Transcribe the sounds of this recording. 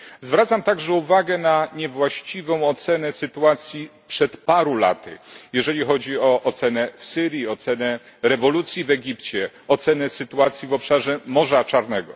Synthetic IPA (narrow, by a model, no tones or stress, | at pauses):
zvɾat̪samt̪aɡʐɛuvaɡɛnaɲɛvwaɕt͡ɕivɔ̃w̃ɔt̪sɛnɛsɘt̪uat̪sʲjipʂɛt̪paɾula̰t̪ɘ̰jɛʐɛlʲixɔd͡ʑiɔʔɔt̪sɛnɛfsɘɾʲjiɔt̪sɛnɛ | ɾɛvɔlut̪sʲjivɛɡʲipt͡ɕɛ | ɔt̪sɛnɛsɘt̪uat̪sʲjivɔpʂaʐɛmɔʐat͡ʂaɾnɛɡɔ